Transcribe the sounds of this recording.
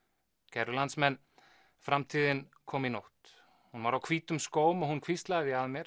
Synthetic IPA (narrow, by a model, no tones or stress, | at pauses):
cʰɛɾʏlant̪smɛnː | fɾamt̪ʰiːðɪnkʰɔːminowht̪ | hunvaɾawkʰviːt̪ʏmskoːwmɔhunkʰvist̪laɣðɪaðmjɛɾ